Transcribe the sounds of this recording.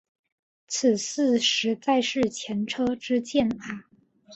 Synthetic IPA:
t͡s̩ʰ˨˩sɹ̩˥˧ʂɻ̩˧˥t͡sa˥˧ɪʂɻ̩˥˩t͡ɕʰjɛ˧˥nʈ͡ʂʰɤ˥ʈ͡ʂɻ̩˥t͡ɕjɛ˥˩na˧˩

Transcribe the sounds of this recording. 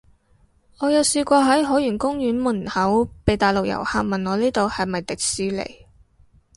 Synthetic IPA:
ŋɔː˨˧jɐ˨wsiː˧kʷɔː˧ɦɐ˨˥jɦɔː˨˥jyː˨˩nkʊ˥ŋjyː˨˥nmʊ˨˩nhɐ˨˥wpe˨jt̪aː˨˩jlʊ˨k̚jɐ̰˨˩wha̰ː˧k̚mɐ˨˩nŋɔː˨˧liː˥t̪o˨˧whɐ˨jmɐ˨jt̪ɪ˨k̚siː˧˥lḛ˨˩j

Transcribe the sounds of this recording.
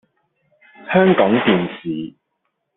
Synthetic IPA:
hœː˥ŋkɔː˨˥ŋt̪iː˨nsiː˨˩

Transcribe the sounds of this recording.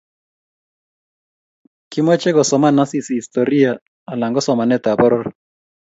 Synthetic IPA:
ki˦mɔ˦t͡ʃɛ˦ɡɔ˨sɔ˨ma˦na˦si˦si˨i˨stɔ˨ɾi˦a˨ | a˨la˨ŋɡɔ˦sɔ˨ma˨nɛ˦ta˨bɔ˦ɾɔ˦r

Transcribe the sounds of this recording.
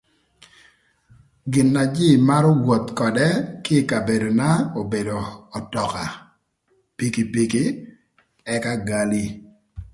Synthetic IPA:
ɡɪ˨nːa˨d͡ʒɪ˦˨ma˦ɾɔ˦wo˨t̪kɔ˨dɛ˦kɪ˦˨ka˨be˨do˨na˦o˨be˨do˨ɔ˨tɔ˨ka˨ | pi˦ki˦pi˦ki˦ | ɛ˦ka˦ɡa˦li˦

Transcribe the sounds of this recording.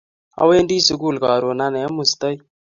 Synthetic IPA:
a̰˨we˦ndiː˦su˨ɡuː˦lkaː˨ɾoː˨na˦ne˨a˦mu˨st̪ə˦j

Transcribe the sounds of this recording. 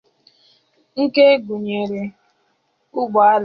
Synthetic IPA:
ŋ̩˦ke˦ɡu˨ɲe˨ɾe˨ | ʊ˦ɡ͡ba˨a˦l

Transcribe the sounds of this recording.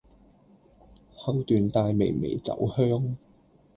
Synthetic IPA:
hɐ˥wt̪yː˨˧nt̪aː˧jme˨˩jmḛ˨˩jt͡sɐ̰˨˥whœː˥ŋ

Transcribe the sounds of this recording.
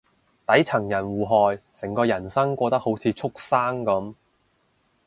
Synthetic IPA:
t̪ɐ˨˥jt͡sʰɐ˨˩ŋjɐ˨˩nwuː˨˩ɦɔː˨˧jsɪ˨˩ŋkɔː˧jɐ˨˩nsɐ˥ŋkʷɔː˧t̪ɐ˥k̚ho˨˥wt͡sʰiː˧t͡sʰʊ˥k̚saː˥ŋkɐ˨˥m

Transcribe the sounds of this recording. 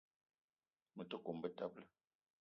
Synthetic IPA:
mə˨tə˦ko˨mbə˦ta˦p̚lə˦

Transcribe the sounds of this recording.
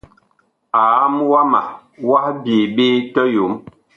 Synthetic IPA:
a˨a˦mwa˦ma̰˨ | wa˦hbi˨ɓe˦tɔ˦jo˨˦m

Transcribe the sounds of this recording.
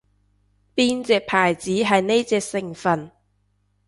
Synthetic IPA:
piː˥nt͡sɛː˨˧k̚pʰaː˨˩jt͡siː˨˥ɦɐ˨jne˥jt͡sɛː˧k̚sɪ˨˩ŋfɐ˨n

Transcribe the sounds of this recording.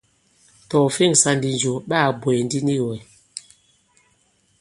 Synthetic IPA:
tɔ˨fe˦˨ŋsa˨ndi˨nd͡ʒo˨ɓa˦˨bwe˨n˦di˦ni˦˨wɛ˨

